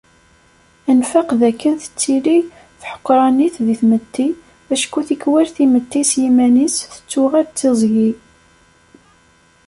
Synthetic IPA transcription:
ænfaqðækːənθə̥t͡sːili | θħə̥qːɾˤɑniθðiθmət̪ːi | æʃkuθikwæɾθimət̪ːisjimænisθə̥t͡sːuʁædt͡sːizˤʝi

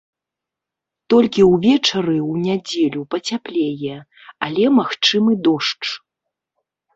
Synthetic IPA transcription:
t̪ɔlʲkʲiwvʲɛt͡ʂɐɾɨwnʲad͡zʲelʲupɐt͡sʲaplʲejɛ | alʲɛmaxt͡ʂɨmɨd̪ɔʂt͡ʂ

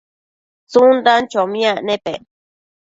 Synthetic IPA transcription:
t͡sund̪ant͡ʃomĩanẽpe

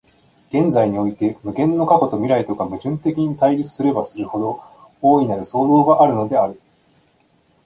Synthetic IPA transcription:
ɡ̥ẽ̞nd͡zaiɲ̟io̞it̪e̞mɯ̟ɡẽ̞nːo̞kako̞t̪o̞mʲiɾait̪o̞kamɯ̟ʑɨ̃nt̪e̞kʲiɲ̟it̪aiɾʲit͡sɨ̥sɨɾe̞basɨɾɯ̟ho̞d̪o̞ | oːinaɾɯ̟so̞ːd̪o̞ːɡaʔaɾɯ̟no̞d̪e̞aɾɯ̟

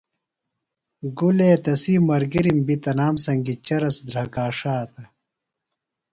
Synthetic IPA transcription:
ɡuleːt̪ɐsimɐɾɡiɾimbit̪ɐnaːmsɐŋɡit͡ɕɐɾɐsd̪ɾɐkaːʂaːt̪ɐ

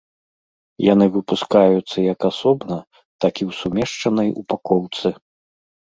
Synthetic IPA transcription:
janɨvɨpuskajut̪sːɐjɐkasɔbnɐ | t̪akʲiwsumʲɛʂt͡ʂɐnɐjupakɔwt̪sɨ

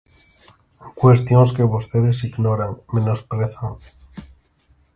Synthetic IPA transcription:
kwest̪joŋskeβost̪eðesiɣnoɾaŋmẽnospɾeθaŋ

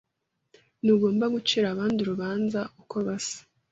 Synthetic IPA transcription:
nuɡo̞ːmbaɡut͡ʃiɾaːβaːnduɾuβaːnzaʔukʰo̞βasḁ

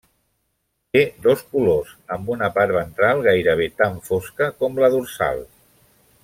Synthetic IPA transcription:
t̪ed̪oskulozəmbunəpaɾβənt̪ɾalˠɣajɾəβ̞et̪aɱfoskəkɔmləðuɾsa̰lˠ

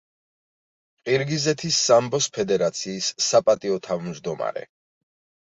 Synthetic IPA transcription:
qʼiɾɡizɛt̪ʰisːambɔspʰɛd̪ɛɾat̪sʰiːsːapʼat̪ʼiɔt̪ʰavmd͡ʒd̪ɔma̰ɾɛ̰

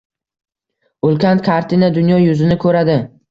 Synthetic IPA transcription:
ʊlˠkʲankʰaɾt̪ʰinad̪ʊnjɒjʊzɪnɪkʰɵɾad̪ɪ

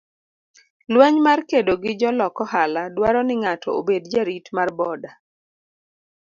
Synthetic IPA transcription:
lwɛɲmarkedoɡɪd͡ʒɔlɔkɔhaladwaɾɔnɪŋatʰɔobedd͡ʒaɾitmarbɔda

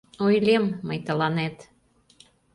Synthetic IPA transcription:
ojlemːəjt̪ə̆lɑnet̪

